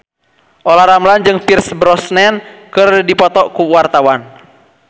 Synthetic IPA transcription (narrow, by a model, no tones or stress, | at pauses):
ʔɔlaɾamland͡ʒɨŋpirsbɾɔsnɛnkɨrdipɔt̪ɔkuwart̪awan